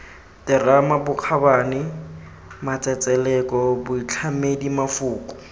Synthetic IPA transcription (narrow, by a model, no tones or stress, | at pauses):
tɪramabʊq͡χʰabaːnɪ | mat͡sʼɛt͡sʼɛlɛkɔbʊit͡ɬʰamedimafʊːkʼʊ̥